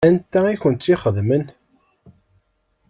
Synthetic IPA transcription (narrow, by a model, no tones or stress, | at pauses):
ænt̪ːæiçənt̪iχəðmən